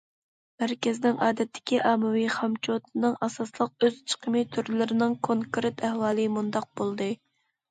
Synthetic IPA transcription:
mæɾkʲɪznɪŋɑːd̪ɛt̪ʰːɪ̥kʲiʔɑmɨwiχɑmt͡ʃʰot̪ʰɨnɨŋʔɑsɑslˠəq̚øz̥t͡ʃʰə̥qʰəmit̪ʰyɾlɪɾɪnɪŋkʰoŋkɾɪt̪ʰæhwɑːlˠɨmund̪ɑq̚b̥olˠd̪ɨ

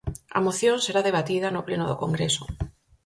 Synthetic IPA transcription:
ɐ̰moθjõŋseɾaðeβ̞at̪iðɐnʊplenʊðʊkoŋɡɾesʊ̥

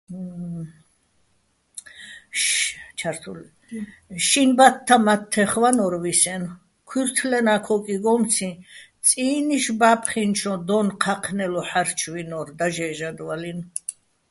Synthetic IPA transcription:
t͡ʃʰaɾt̪ʰul | ʃinbat̪ʰːamat̪ʰːɛχwanɔɾwisɛn | kʰwiɾt̪ʰlɛnakʰɔkʼiɡɔmt͡sʰĩ | t͡sʼiːniʃbapʰχinʃʰɔ̃d̪ɔnqʰaqʰnɛlɔħaɾt͡ʃʰwinɔɾd̪aʒɛːʒad̪walin

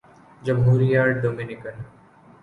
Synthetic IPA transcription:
d͡ʒəmɦuːɾijaɖoːminɪkən

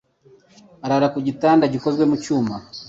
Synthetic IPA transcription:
aɾaɾakuɟitaːndaɟiko̞zɡwe̞mucuːma

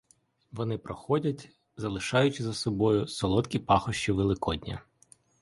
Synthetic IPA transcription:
ʋɔnɪpɾɔxɔdʲɐtʲ | zɐlˠɪʃɑjʊt͡ʃɪzɐsɔbɔjʊsɔlˠɔt̪kʲipɑxɔʃt͡ʃiʋelˠɪkɔdʲnʲɐ̰

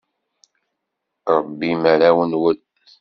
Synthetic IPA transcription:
ɾˤəbːimæɾæwənwəl

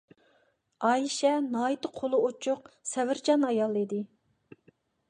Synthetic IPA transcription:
ɑːjiʃɛnɑːit̪ɨqʰolˠʊot͡ʃʰʊq̚sɛvɪɾd͡ʒɑnɑjɑlˠid̪ɪ

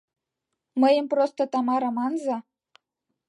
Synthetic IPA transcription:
məjə̆mprost̪ŏt̪ɑmɑɾɤ̆mɑnzɑ

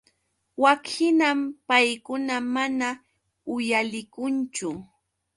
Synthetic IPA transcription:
wakɪnampajkʊnamana | ʊjalɪkʊnt͡ʃʊ

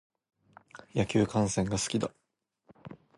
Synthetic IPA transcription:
jakʲɨːkãɰ̃sẽ̞ŋɡasɨ̥kʲid̪a

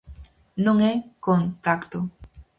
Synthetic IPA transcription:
nʊŋekont̪akt̪o

